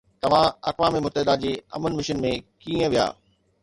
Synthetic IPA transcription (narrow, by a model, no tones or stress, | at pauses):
t̪ɐʋ̤ãɐ̰kʋãːmemʊt̪əɦɪd̪ad͡ʑeːɐ̰mənmɪʃənmẽkiːə̃ʋija̰ː